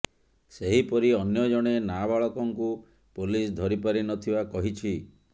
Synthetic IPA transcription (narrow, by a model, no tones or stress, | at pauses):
seɦipɔɾiɔnjɔd͡ʒɔɽ̃enabaɭɔkɔŋku | pulisd̪ʱɔɾipaɾinɔt̪ʰibakɔɦit͡ʃʰi